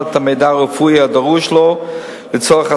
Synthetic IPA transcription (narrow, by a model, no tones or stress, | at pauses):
tameɪdaʁufujadaʁuʃlo | lɪt͡sɔəχa